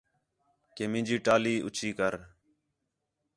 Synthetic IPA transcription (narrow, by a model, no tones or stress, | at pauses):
keːmɪ̃ːd͡ʒiːʈaːliːʔʊ̰t͡ʃʰiːkəɾ